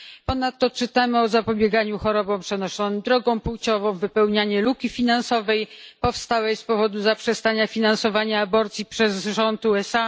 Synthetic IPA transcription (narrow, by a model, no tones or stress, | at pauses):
pɔnat̪ːɔt͡ʂɘt̪amɘɔzapɔbʲjɛɡaɲuxɔɾɔbɔ̃w̃pʂɛnɔʂɔnɘmd̪ɾɔɡɔ̃w̃puwt͡ɕɔvɔ̃w̃vɘpɛwɲaɲɛlukʲifʲinansɔvɛjpɔfst̪awɛjspɔvɔd̪uzapʂɛst̪aɲafʲinansɔvaɲaːbɔɾt̪sʲjipʂɛzʐɔnt̪uɛsa